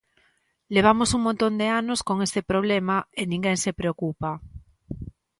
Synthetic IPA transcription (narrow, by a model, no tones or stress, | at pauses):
leβ̞amosuŋmõnt̪ond̪eanoskoŋest̪epɾoβ̞lemaenĩŋɡeŋsepɾeokupa